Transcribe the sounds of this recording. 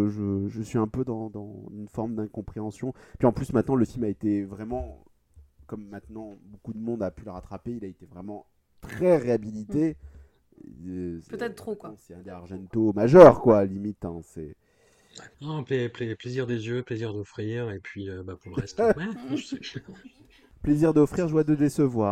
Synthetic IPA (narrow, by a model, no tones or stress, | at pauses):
ʒəʒəsɥiɛ̃pød̪ɑ̃d̪ɑ̃ynfɔʁmd̪ɛ̃kɔ̃pχeɑ̃sjɔ̃pɥiɑ̃plysmɛ̃t̪nɑ̃ləfilmaet̪evʁɛmɑ̃ | kɔmːɛ̃t̪nɑ̃bokud̪əmɔ̃d̪apyləʁat̪χapeilaet̪evʁɛmɑ̃ | t̪χɛʁeabilit̪e | spøt̪ɛt̪t̪χokwãsɛɛ̃d̪eaʁʒɛ̃nt̪omaʒœʁkwalimit̪ɛ̃sɛ | nɔ̃pleplepleziʁd̪ezjøpleziʁd̪ɔfχiʁepɥiøbapuʁləʁɛst̪mɛʒɛ | pleziʁd̪ɔfχiʁʒəwad̪əd̪esəvwaːʁ